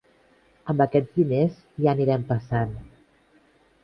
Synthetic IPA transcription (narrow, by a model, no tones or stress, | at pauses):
əmbəkɛd͡zðinez | ʒaniɾɛmpəsan